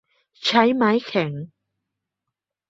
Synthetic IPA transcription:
t͡ʃʰɐ˨˥jmaː˨˥jkʰɛː˨˩ŋ

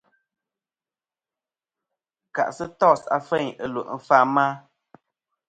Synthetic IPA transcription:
ka̰˨ʔsɨ˦tɔ˦˨sa̰˨fɛ˦˨ɲə˨lu˨ʔn̩˨fa˦˨maː˦

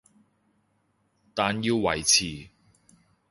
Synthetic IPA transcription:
t̪aː˨njiː˧wwɐ̰˨˩jt͡sʰiː˨˩

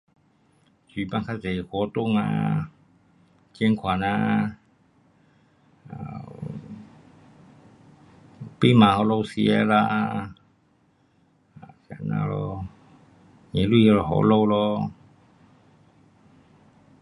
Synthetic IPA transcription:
si˨˩˨pa˧ŋkʰa˧˨sa˨kʰɔ˨˧˦t̪u˧˨ŋa̰˧ | ke˧˥ŋkʰwa˨na˧ | a˧˨ | pi˧˥˨ma˨˧ha˧lo˧wsi˧a˧la˧ʔ | a˨sa̰˧˩na̰˧˨lɔ˧ | ɲe˨˦lu˧˥˨jlɔ˧ɦɔ̰˧˦lo˧wlɔ˧

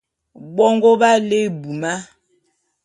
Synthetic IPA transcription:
bɔ˦ŋɡɔ˦ba˦le˦˨bu˨ma˦

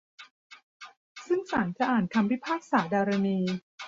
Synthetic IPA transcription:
sɯ˥˩ŋsaː˩˦nt͡ɕa˨ʔaː˨˩nkʰa˧mwi˦˥˩pʰaː˥˩k̚saː˩˦daː˧ɾa˧niː˧

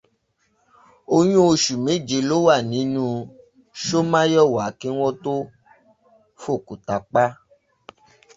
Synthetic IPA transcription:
o˧j̃ũ˦o˧ʃu˨me˨˦˨d͡ʒe˧˦lo˦wa˦˨nĩ˨˦nũ˦˧ | ʃo˦mã˦jɔ˦˨wa˨ki˦w̃ɔ̃˦to˦ | fo˦˨ku˨ta˨k͡pa˦

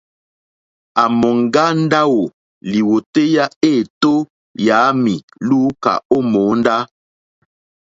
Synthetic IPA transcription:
a˨mɔ˨ŋ˦˨ɡa˦n˦da˦wo˨ | li˨wo˨te˦ja˦e˦˨to˦ | ja˨˦mi˨ | luː˦ka̰˨o˦mo˨˦nda˦

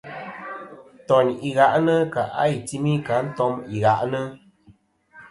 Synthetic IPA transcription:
tɔ˨ɲi˨ɣa˨ʔnə˦ka̰˨ʔa̰˦i˨ti˦mi˦ka˨˦n̩˦tɔ˦mi˨ɣa˨ʔnə˦

